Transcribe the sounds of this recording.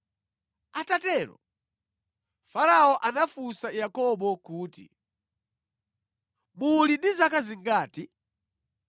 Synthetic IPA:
atatɛɾɔ̰ | faɾaɔʔanafusajakɔɓɔkuːtḭ | mulindizakaziŋɡaːti

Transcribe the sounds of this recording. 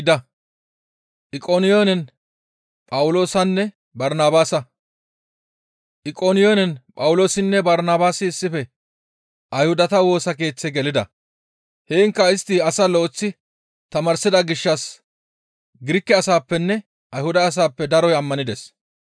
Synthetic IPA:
d̪ɐ | ʔɪkʼoːnɪjoːnɛn | pʼɐwʊlo̞ːsɐnːɛ | bɐɾnaːbaːsɐ | ʔɪkʼoːnɪjoːnɛnpʼɐwʊlo̞ːsɪnːɛbɐɾnaːbaːsɪːsːɪfɛ | ʔɐjhʊd̪ɐt̪ɐwo̞ːsɐk̬e̞ːt͡sːɛɡɛlɪd̪ɐ̰ | heːŋkːɐɪst̪ːɪɐsɐlɔɔt͡sːɪ | t̪ɐmɐɾsɪd̪ɐɡɪʃːɐs | ɡɪɾɪkːɛɐsaːpːɛnːɛ | ʔɐjhʊd̪ɐːs̬aːpːɛd̪ɐɾɔjɐmːɐnɪd̪ɛs

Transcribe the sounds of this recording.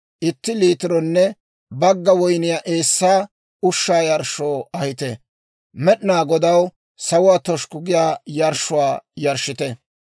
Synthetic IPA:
ʔɪt̪ːɪliːt̪ɪɾɔnːɛ | bɐɡːɐwɔjnɪjaːʔe̞ːsːaː | ʊʃːaːjɐɾʃoːɐhɪt̪ɛ | mɛɗɪnaːɡɔd̪ɐw | sɐwʊwaːt̪ɔʃkʊɡɪjaːjɐɾʃːʊwaːjɐɾʃɪt̪ɛ

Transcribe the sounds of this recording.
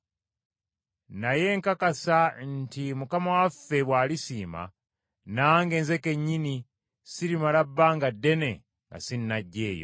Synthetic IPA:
naje̞ːŋkakasantimukamawafːe̞βwaːlisiːma̰ | naːŋɡe̞ːnze̞ke̞ɲːini | siɾimalabːaŋɡadːe̞ne̞ | ŋɡa̰sinːaɟːe̞ːjo̞̰

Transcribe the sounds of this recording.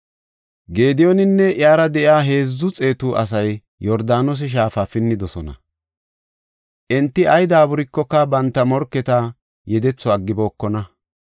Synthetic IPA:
ɡe̞ːd̪ɪjɔnɪnːɛʔɪaːɾɐd̪ɛʔɪaːɦe̞ːzːʊt͡sʼe̞ːt̪uʔɐ̰s̬ɐjː | ɔɾd̪aːnɔs̬ɪʃ̬aːfafɪnːɪd̪ɔsɔnɐ̰ | ʔɛnt̪ːɪɐjd̪aːbʊɾɪkːɔkːɐbɐnt̪ːɐmɔɾkːɛt̪a | jɛd̪ɛt͡sːɔaɡːɪbo̞ːkːɔnɐ

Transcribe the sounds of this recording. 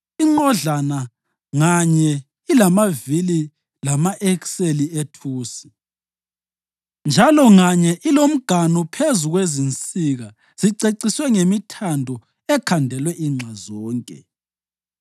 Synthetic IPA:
iŋ͡ǃɔɮana | ŋaɲɛ | ilamavili | lamaʔɛkselietʰuːsi̥ | nd͡ʒʱalɔŋaɲɛʔilom̩ɡ̥ʱanupʰezuɣwezint͡sʼiɣa | z̥iǀeǀiswɛŋemitʰandʱɔ | ɛkʰandʱɛlwɛʔiŋ͡ǁʱazɔːŋkʼɛ̰

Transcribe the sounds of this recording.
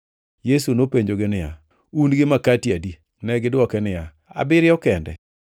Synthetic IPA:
jesunopeɲd͡ʒoɡɪnɪja̰ | unɡɪmakatjadi | nɛɡɪdwɔkɛnɪja | a̰bɪɾɪjɔkɛndɛ̰

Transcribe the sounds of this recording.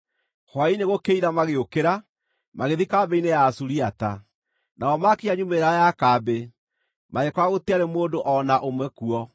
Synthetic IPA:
hwaineɣokeiɾamaɣeokeɾa | maɣeðikabeinejasuɾiata | naɔmakiaɲumeɾajakaːbe | maɣekwaɣotiaɾemoːdoʔɔnaʔomwɛkuɔ

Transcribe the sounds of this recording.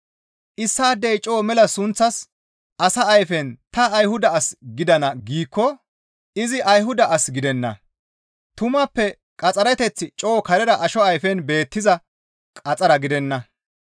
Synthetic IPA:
ʔɪsːaːd̪ɛjt͡ʃʼo̞ːmɛlɐsʊnt͡sːɐs | ɐsɐɐjfɛnt̪ɐːjhʊd̪ɐɐsɡɪd̪ɐnɐɡiːkːɔ | ɪzɪʔɐjɦʊd̪ɐʔɐsɡɪd̪ɛnːɐ̰ | t̪ʊmɐpːɛ | kʼɐt͡sʼɐɾɛt̪ɛt͡sːɪt͡ʃʼo̞ːkɐɾɛɾɐʔɐʃɔɐjfɛnbe̞ːt̪ːɪzɐ | kʼɐt͡sʼɐɾɐɡɪd̪ɛnːɐ

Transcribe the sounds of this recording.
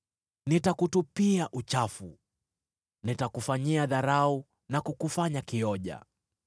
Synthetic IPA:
nitakutupiaʔut͡ʃafu | nitakufaɲiaðaɾau | nakukufaɲakiɔʄa̰

